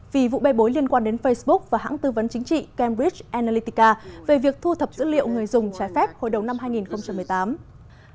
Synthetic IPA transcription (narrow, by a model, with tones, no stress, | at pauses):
vi˨˩vṵ˧˨ɓa˧˩jɓo˨˦jli˧ənkwaː˧nɗe˨˦nfə˧jsɓʊ˦˥k̚vaː˨˩ɦa̰ː˧˥ŋt̪ɨ˧və˨˦nt͡ɕï˨˦ŋ̟t͡ɕḭ˧˨kɛ˧mɹi˦˥t͡ɕʔɛ˧naː˧li˧t̪i˧kaː˧ve˨˩vi˨˩ək̚t̪ʰu˧t̪ʰə˨˩p̚z̥ɨ̰˧˥lḭ˧˨əwŋɨ˨˩əjzʊ˨˩ŋ͡mt͡ɕaː˨˦jfɛ˦˥p̚ho̰˧˨jɗə˨˩wŋ͡mna˧mɦaː˧jŋi˨˩nxə˧wŋ͡mt͡ɕa˧mː˨˩əjt̪aː˨˦m